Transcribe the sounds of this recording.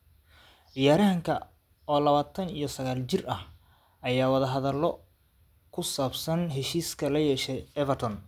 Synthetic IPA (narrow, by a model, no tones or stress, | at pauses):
ɪjaːɾɐŋkʰɐ | ɔːlɐβaːt̪ʰɐnijɞsɐɣaːlt͡ʃɪrɐh | ɐjaːwɐðɐɦɐðɐlːɔ | kʰʊsaːbsɐnɦɛʃiːskʰɐlɐjɛːʃɛɛvɛrt̪ʰɔn